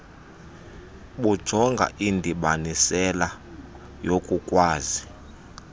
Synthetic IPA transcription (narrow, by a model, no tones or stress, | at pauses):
ɓud̥ʒ̥ʱɔŋɡʱa̰ʔindʱiɓanisɛla | jokʼukʼwaːzi